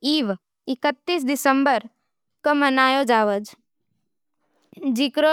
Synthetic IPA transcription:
iːʋ | ɪkət̪ːiːs̬d̪ɪsəmbəɾ | kəmənaːjod͡ʒaːʋəd͡ʒ | d͡ʒikɾo

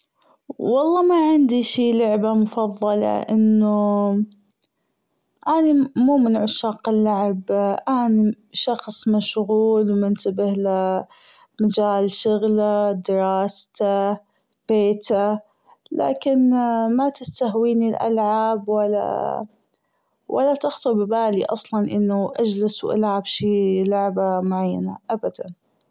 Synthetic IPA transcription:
wɑlˤːɑːmaʕɪnd̪iʃiːlʊʕbamʊfɑðˤːɑlɑ̰ʔɪnːʊ | ʔanimuːmɪnʕʊʃɑːqɪlːaʕbʔaːni | ʃɑxsˤmaʃɣuːlwmɪnt̪abɪhla | mad͡ʒaːlʃʊɣlad̪ɪɾˤɑːst̪a | b̥eːt̪a | la̰ːkɪnmat̪ɪst̪ahwiːnilʔa̰lʕabwalːa̰ | wʔa̰lːat̪ɑxt̪ˤɨɾbɪbaːliʔɑ̰sˤlɑnʔɪnːʊʔad͡ʒlɪswʔa̰lʕabʃiːlʊʕbamʊʕajːa̰na̰ʔabad̪a̰n

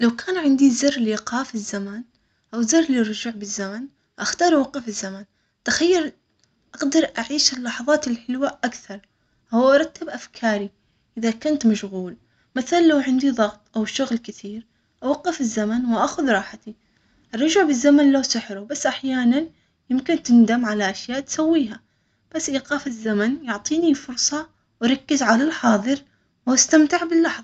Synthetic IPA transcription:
lawkʰaːnʕɪnd̪izɪrːlɪqɑːfɪzːaman | ʔawzɪrːlɪrɑd͡ʒʊʕbɪzːaman | ʔaxt̪ɑːɾˤʔawɑqːɪfɪzːaman | t̪axajːaɾ | ʔaɡd̪ɑɾˤʔaʕiːʃɪlːɑħɑðˤɑːt̪ɪlħɪlwaʔakθɑɾˤ | hʊwʔɑɾˤɑt̪ːɪbʔafkʰɑːɾi | ʔɪðakʊnt̪maʃɣuːl | maθalalːawʕɪnd̪iðˤɑɣt̪ˤʔawʃʊɣlkɪθiːɾ | ʔawɑqːɪfɪzːamanwʔaxʊðɾˤɑːħat̪i | ʔɑrˤːɑd͡ʒaʕbɪzːamanloːsɪħɾʊbasːʔaħjaːnan | jɪmkɪnt̪ɪnd̪amʕalaʔaʃjaːʔt̪sawːiːɦa | b̥asːʔiːqɑːfɪzːamanjʊʕt̪ˤiːnifʊɾsˤɑ | wɑɾˤɑkːɪzʕalalħɑːðˤɨɾ | wast̪amt̪ɪʕbɪlːɑħðˤɑ

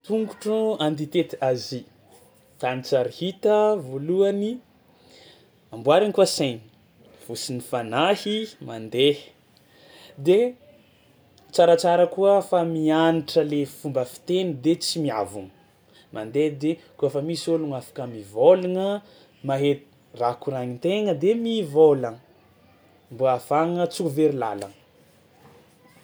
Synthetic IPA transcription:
t̪uŋɡuʈ͡ʂuant̪it̪et̪azi | t̪anit͡saɾihit̪əvoluani | ambuaɾinkuəsejni | v̥usinifanahimand̪e | d̪e | t͡saɾat͡saɾəkuəfamianiʈ͡ʂəlefumbəfi̥t̪enid̪et͡simiavuŋ | mʔand̪ed̪ekuəfamisoluŋafḁkəmivoluŋə | maɦet̪ | rakuɾaɲit̪eŋəd̪emivolən | mbuafaŋət͡suuveɾila̰la̰n

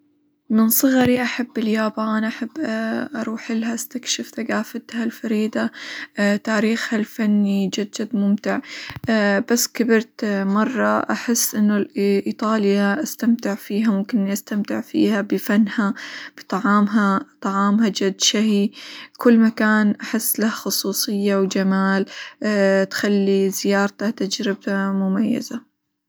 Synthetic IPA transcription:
mɪnsˤɨɣɾiʔaħabːɪljaːbaːnʔaħabːʔɑɾˤuːħʔɪlɦaʔast̪akʃɪfθaɡaːfat̪halfaɾiːd̪ˤa | t̪aːɾiːxhalfanːid͡ʒad̪d͡ʒad̪mʊmt̪ɪʕ | basːkabɪɾt̪mɑrˤːɑʔaħɪsːʔɪnːʊlʔit̪ˤɑːljaʔast̪amt̪ɪʕfiːɦamʊmkɪniʔast̪amt̪ɪʕfḭːhabɪfanːhab̥ɨt̪ˤɑʕɑːmɦat̪ˤɑʕɑːmɦad͡ʒʊd̪ːʃahikʊlːmakaːnʔaħɪsːlahxʊsˤuːsˤɨjːawd͡ʒamaːl | t̪xalːizɪjɑːɾˤt̪at̪ad͡ʒɾɪb̚tamʊmajːa̰za

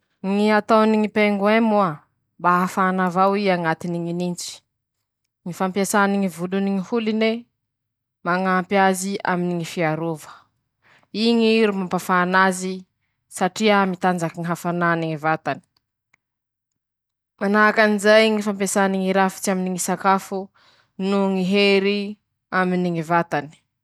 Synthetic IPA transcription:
ŋiat̪awniŋipeŋɡwemua | baɦafanavawiaŋat̪iniŋinint͡ʃi̥ | ŋifampiasaniŋivuluniŋihuline | maŋaːmpiazia̰miniŋifiaɾovə̥ | iŋiɾumampafaːnazi | saʈ͡ʂiamit̪and͡zakiŋiɦafananiŋivat̪ani̥ | manaːkanizajŋifampjasaniŋiɾafi̥t͡siaminiŋisakafu | nuŋiɦeɾi | aminiŋivat̪ani̥

